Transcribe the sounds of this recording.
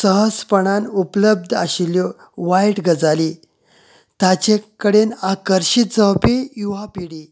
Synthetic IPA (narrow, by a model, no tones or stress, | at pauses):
səɦəspəɳanupləb̚d̪ʱaɕiljɔ | ʋajʈɡəd͡zali | t̪at͡ɕekəɽenakəɾɕit̪̚d͡zəwpejuʋapiɽiː